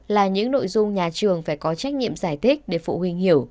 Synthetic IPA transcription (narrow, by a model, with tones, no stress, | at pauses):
laː˨˩ɲɨ̰˧˥ŋno̰˧˨jzʊ˧ŋ͡mɲaː˨˩t͡ɕɨ˨˩əŋfaː˧˩jkɔ˨˦t͡ɕa˦˥jk̟̚ɲḭ˧˨əmzaː˧˩jt̪ʰï˦˥k̟̚ɗe˧˩fṵ˧˨hwi˧ŋ̟hi˧˩əw